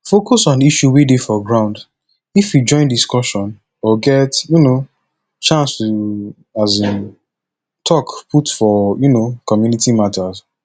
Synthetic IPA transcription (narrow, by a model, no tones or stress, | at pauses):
fokɔsɔ̃niʃuwidefɔɡɹãʊ̃nd | ifjud͡ʒɔ̃ɪ̃ndiskɔʃɔ̃n | ɔɡɛtjuno | t͡ʃãnstu | azĩn | tʰɔkpʰutfɔjunokɔmjunitimatʰaz